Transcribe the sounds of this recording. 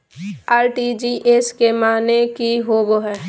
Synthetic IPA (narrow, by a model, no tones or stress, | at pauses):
aːɾʈid͡ʒiʔeskemaːnekiɦoːɡoɦɛː